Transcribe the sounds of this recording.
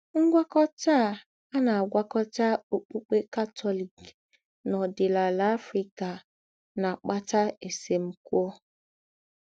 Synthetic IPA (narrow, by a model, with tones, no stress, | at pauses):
ŋ̩˦ɡʷa˦kɔ˦ta˦˨ | a˦na˨a˨ɡʷa˦kɔ˦ta˦o˨k͡pu˦k͡pe˦ka˦tʰɔ˦li˨k | nɔ˨dɪ˨la˨la˨˦a˦fɾi˦ka˨ | na˨k͡pa˦ta˦e˨se˨m̩˦kʷo˦